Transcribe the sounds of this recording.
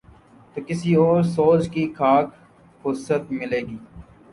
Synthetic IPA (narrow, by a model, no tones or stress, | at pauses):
t̪oːkɪsioːɾsoːt͡ʃkikʰaːk | kʊsət̪mɪleːɡiː